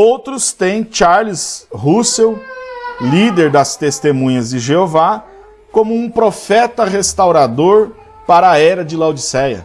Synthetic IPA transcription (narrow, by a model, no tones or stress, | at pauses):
owt̪ɾʊst̪ẽj̃t͡ʃaɾlizhusew | lid̪eɾd̪ɐst̪est̪emũɲɐzd͡ʒɪʒeova | kõmʊũpɾofɛt̪ɐɦest̪awɾad̪oɾ | paɾɐɛɾɐd͡ʒɪlawd͡ʒisɛjɐ̰